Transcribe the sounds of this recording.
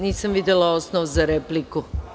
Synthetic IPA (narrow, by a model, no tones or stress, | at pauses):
niːsamʋid̪elaosnoʋzaɾepliku